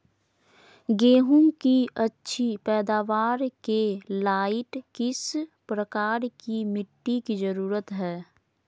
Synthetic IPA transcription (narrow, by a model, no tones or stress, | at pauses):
ɡeːɦũkiɐtːʃʰipɛːd̪aːʋaːɾkelaːɪʈkɪspɾəkaːɾkimɪʈːikizəɾuːɾət̪ɦɛː